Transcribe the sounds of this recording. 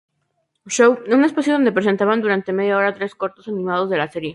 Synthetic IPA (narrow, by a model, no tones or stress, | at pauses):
ʃowune̞spasjoðo̞nd̪e̞pɾe̞s̬e̞nt̪aβand̪uɾant̪e̞me̞ðjao̞ɾat̪ɾe̞sko̞ɾt̪o̞sanĩmað̞o̞zðe̞lase̞ɾje̞